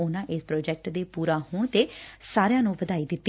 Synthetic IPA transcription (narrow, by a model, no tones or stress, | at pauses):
ʊnãːʔɪːspɾɔːd͡ʒɛːk̚ʈd̪eːpuːɾaːɦʊːɳ̃t̪eːsaːɾejãːnũːʋəd̪aːiːd̪ɪt̪ː